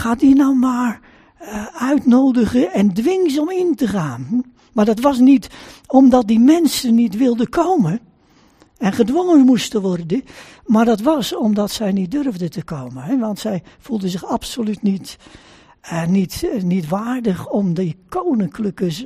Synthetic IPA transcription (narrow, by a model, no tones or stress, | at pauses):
xaːt̚dinɔwmaːɹ | œɥtnoːdəɣəɛndʋɪŋzɔmintəχaːn | maɹdɔtʋɑs̬nitɔmdɔt̚dimɛnsənːitʋɪlˠdəkʰowmə | ɛnχədʋoŋənmustəʋɔrdə | maɹdɔtʋɑsɔmdɔtsɛjnit̚dørvdətəkowmənɦɛʋɑntsɛjfulˠdəsɪxapsolytnit | nitnitʋaːrdəχɔmdəkʰownɪŋkləkəs